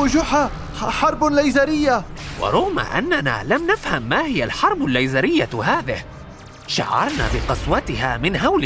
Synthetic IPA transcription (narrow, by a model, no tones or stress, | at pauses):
ʊd͡ʒʊħa | ħɑɾˤblajzaɾɪjːawɑ̰ɾˤʊɣma̰ʔa̰nːana̰ːlamnafhamːaːhɪjalħɑɾˤbʊlːajzaɾɪjːahaːðɪh | ʃa̰ʕːɑ̰ɾˤna̰ːbɪqɑswat̪ɪhaːmɪnɦawlɪ